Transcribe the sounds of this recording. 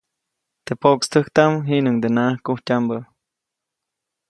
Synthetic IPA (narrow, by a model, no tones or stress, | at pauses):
t̪epokst̪əkt̪amɦiʔnɨŋd̪enaʔhkuhcambə